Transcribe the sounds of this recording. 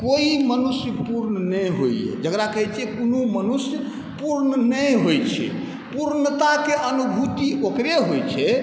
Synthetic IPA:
koimənusjəpuɾnənəjɦoiḛd͡ʒəkɾakəɦɛt͡ʃʰiɛkonumənusjə | puɾnənəjɦojt͡ʃʰɛ̰ | puɾnət̪akeʔənubʱut̪iokɾeɦojt͡ʃʰɛ

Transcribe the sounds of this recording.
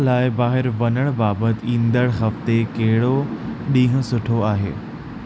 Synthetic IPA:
laːɪbaːɦɪɾʋɐnəɽ̃baːbət̪ɪĩːnd̪əɽ̃xɐft̪ekɐɦɪɽoɗĩːɦʊ̃̆sʊʈʰoaːɦḛː

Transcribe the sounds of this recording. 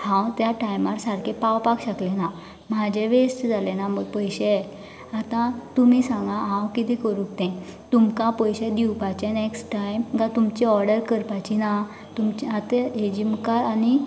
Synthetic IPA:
hãwt̪jaʈajmaɾsaɾkʰẽpawpakɕəklena | mad͡ʑʱeʋesʈd͡zalẽnaməɡpəjɕɛ | at̪ãt̪umisãŋɡaɦãwkit̪ɛ̃kəɾuk̚t̪ɛ̃t̪umkãpəjɕɛd̪iwpat͡ɕɛneksʈʈajmɡãt̪umt͡ɕiɔɾɖəɾkəɾpat͡ɕina | t̪umt͡ɕiat̪eɦed͡ʑimkaɾani

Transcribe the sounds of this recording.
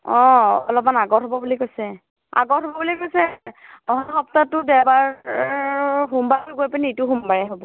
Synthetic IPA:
ɔ̃ɔlɔp̚manaɡɔɹtɦobɔbulikojsɛ | a̰ɡɔtɦɔbɔbulikojsɛɔɦɔnɔxɔptatːʊdɛbaɹ | ɦumbatʊɡojpanitʊɦumbaɹɛɦobɔ

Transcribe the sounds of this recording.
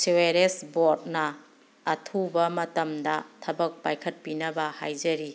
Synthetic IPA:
seweɾesbot̚nɐː | tʰubɐmɐtɐmdɐtʰɐbɐk̚pajkʰɐt̚pinɐbɐha̰jd͡ʒɐɾi

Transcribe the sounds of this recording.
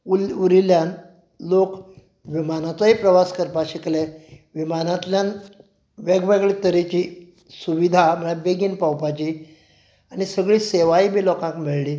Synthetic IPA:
uluɾiljan | lok | ʋimanat͡sɔipɾəʋaskəɾpaɕikleʋimanat̪ljan | ʋeɡʋeɡɭit̪əɾit͡ɕiː | suʋid̪ʱaməɭaʋeɡiːnpawpat͡ɕiː | añisəɡɭiːseʋaibʱiːlɔkãŋkmiɭliː

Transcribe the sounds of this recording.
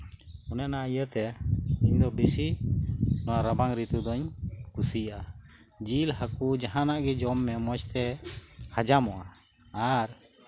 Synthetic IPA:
unɛnaijət̪ɛiɲd̪ɔbisi | nɔwaɾabaŋɾit̪ud̪ɔɲkusijaʔa | d͡ʒilɦəkud͡ʒaɦãnaʔɡɛd͡ʒɔmːɛmɔt͡ʃt̪ɛhad͡ʒamɔʔa | aɾ

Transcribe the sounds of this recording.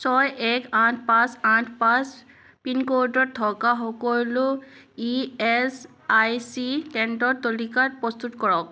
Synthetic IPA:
sɔjɛkatʰpãsatʰpãs | pinkodɔt̚t̪ʰɔkaxɔkɔlo | iɛs | ajsitɛndɔt̚tːolikat̚pɹɔst̪utkɔɹɔk̚

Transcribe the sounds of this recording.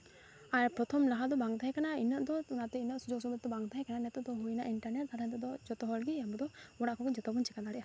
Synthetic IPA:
aɾpɾɔt̪ʰɔmlaɦad̪ɔbaŋɡt̪ʰaɦɛkanainəʔd̪ɔunat̪ɛinəʔsud͡ʒɔks̬ɔbɛd̪ɔbaŋd̪ʰaɦɛkananɛt̪ɔd̪ɔɦujna̰ʔiɳʈaɾnɛt̚t̪aɾaɦɛnt̪ɔd̪ɔd͡ʒɔt̪ɔɦɔlɡiabɔd̪ɔɔɽaʔkʰɔkɔd͡ʒɔt̪ɔbɔnt͡ʃɛkad̪aɽɛʔa

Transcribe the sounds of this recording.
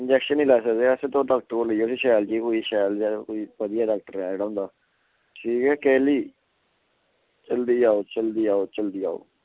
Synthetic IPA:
ɪnd͡ʒɛːkʃənːiːlaːsəkd̪eəsẽt̪õːɖaːk̚ʈəkoːləijoːsiːʃaːjlt͡ʃiːkoiːʃaːld͡ʒaːkoiːpəd̪ɪjaːɖaːk̚ʈəɾɛ̃d͡ʒeːɽaʊ̃nd̪aː | ʈʰiːkɛːkɛːliː | t͡ʃəld̪iːaːoːt͡ʃəld̪iːaːoːt͡ʃəld̪iːa̰ːo̰ː

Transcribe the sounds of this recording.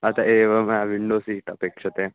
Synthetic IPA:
ɐt̪aʔeːʋɐmaʋiɳɖoːsiːʈɐpeːkʂɐt̪e

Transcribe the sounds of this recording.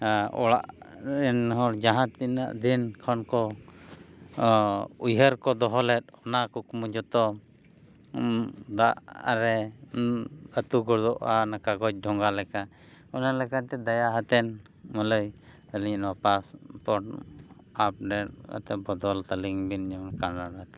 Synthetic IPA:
ɔ̰ɽa̰ʔɛnɦɔɾd͡ʒaɦãt̪ina̰ʔd̪inkʰɔnkɔ | ujɦəɾkɔd̪ɔɦɔlɛt̪̚ɔnakukmud͡ʒɔt̪ɔ | d̪aʔɾɛ | ət̪uɡɔɾd̪ɔʔanakaɡɔt͡ʃ̚ɖʱɔŋɡalɛka | ɔnalɛkat̪ɛd̪ajaɦat̪ɛn | mələj | əliɲnapaspɔʈ | ap̚ɖɛʈ̚ka̰t̪ɛbɔd̪ɔlt̪aliŋbind͡ʒɔnkanɾaɾat̪ɛ

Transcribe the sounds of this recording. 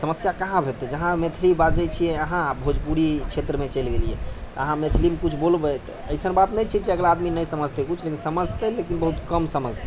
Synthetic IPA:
səməsjakaɦãbʱet̪ɛd͡ʒəɦãmet̪ʰilibat̪̚d͡ʒɛjt͡ʃʰijɛəɦãbʱod͡ʒpuɽit͡ʃʰet̪ɾəmet͡ʃəjlɡeliɛ̰əɦãmet̪ʰlimekut͡ʃʰbolbət̪ɔəɪsənbat̪nɛjt͡ʃʰit͡ʃeəɡlaːd̪minəjsəməd͡ʒʱt̪ɛkut͡ʃʰlekinsəməd͡ʒʱt̪ɛlekinbəɦut̪kəmsəməd͡ʒʱt̪ɛ

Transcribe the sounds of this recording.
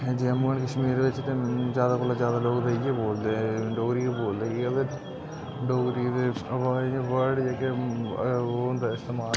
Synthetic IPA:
d͡ʒemuənkəʃmiːɾʋɪt͡ʃt̪eːzjaːd̪aːkoːlːaːzjaːd̪aːloːɡd̪eieːboːld̪ẽɖoːɡɾiːeboːld̪eːeːd̪e | ɖoːɡɾiːt̪eəʋaːẽʋəɾɖd͡ʒeːke | ond̪aɪst̪emaː

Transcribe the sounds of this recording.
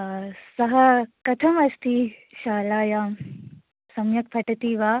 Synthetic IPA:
sɐɦɐkɐt̪ʰɐmɐst̪ʰi | ɕaːlaːjaːm | sɐmjɐkpʰɐʈɐt̪iːʋaː

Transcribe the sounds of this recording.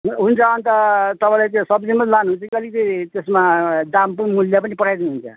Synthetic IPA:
ɦɦunt͡sʰʌːnt̪ʌt̪ʌpãj̃lat͡sẽsʌbd͡zimʌlanuɦunt͡sʰʌkiʌlit̪et̪esmad̪ampunmuljap̬ʌnipʌʈʰajd̪inuɦunt͡sʰʌ̰

